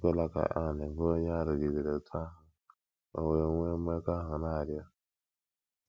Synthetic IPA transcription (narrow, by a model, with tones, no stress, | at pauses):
ɡo˦la˦ka̰˨ʔa˨ne˨vo˦ɲa˦ɾi˨ɡi˨ɡi˨ɾe˨tʰa˦ɦa˨ | o̰˨we˨wʷe˦m˦e˦ka˦ɦa˨na˦˨ɾi˦a˦